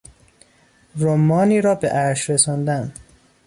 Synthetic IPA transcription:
romːɒːniːɾɒːbeʔæɾʃɾesɒːnd̪æn

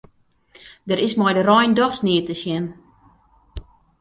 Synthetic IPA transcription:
dəɾɪsmɔjdərɔjndɔxsnɪətəsjɛn

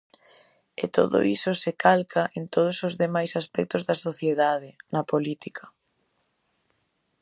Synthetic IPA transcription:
ɪ̰t̪o̰ðʊ̰ʔisʊsekalkʰaʔent̪oð̞ʊsozðemajsaspɛk̚t̪ʊzðɐsoθjeðaðɪnɐpolit̪ikʰɐ

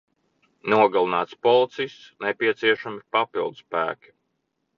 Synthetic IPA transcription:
nuɔɡalˠinaːt̪spɔlˠit̪sijst̪snɛpʲiɛt̪siɛʃamipapilˠd̪uspæ̰ːkʲi̥

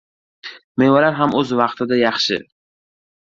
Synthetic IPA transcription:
mejvalaɾɦamɵzvɑqt̪ʰɪd̪ajɑχʃɪ̰

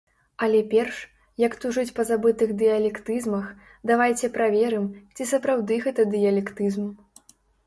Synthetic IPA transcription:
ɐlʲɛpʲɛrʂ | jɐkt̪uʐɨt͡sʲpɐzabɨt̪ɨɣd̪ɨjɐlʲɛkt̪ɨzmɐx | d̪avajt͡sʲɛpɾavʲɛɾɨmt͡sʲisɐpɾawd̪ɨɣɛt̪ɐd̪ɨjɐlʲɛkt̪ɨzm

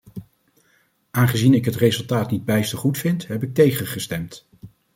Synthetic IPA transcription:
ʔaːnχəzinɪkɦətrezɵlˠtaːtnid̚bɛjstəχutfɪntɦɛpɪk̚tejχəχəstɛmt

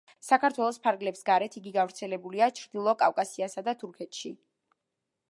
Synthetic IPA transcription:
sakʰaɾt̪ʰwɛlˠɔspʰaɾɡlɛpsɡaɾɛt̪ʰiɡiɡavɾt̪sʰɛlɛbuliat͡ʃʰɾd̪ilˠɔkʼafkʼasiasad̪at̪ʰuɾkʰɛt̪ʃi

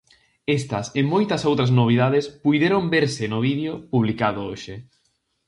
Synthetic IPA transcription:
est̪ɐsɪmojt̪ɐsowt̪ɾɐznoβ̞iðað̞espujðeɾombeɾsɪnʊβ̞iðjopuβlikaðʊoʃɪ

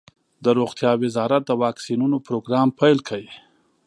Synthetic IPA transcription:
d̪əɾoxt̪jɑwɪzɑɾat̪̚d̪əwɑksinunopɾoɡɾɑːmpʰajlkʰawi

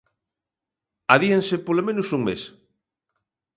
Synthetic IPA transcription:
aðiensepolomẽnʊsuŋmes

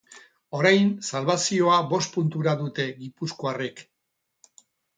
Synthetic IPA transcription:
o̞ɾajnsalβasio̞aβo̞spunt̪uɾaðut̪e̞ɣipusko̞are̞k

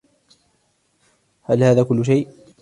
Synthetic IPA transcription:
halhaːðaːkʊlːʊʃ̬ajʔ

